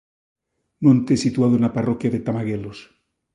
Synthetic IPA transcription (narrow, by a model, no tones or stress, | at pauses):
mõnt̪esit̪uaðoenaparokjaðet̪amaɣelos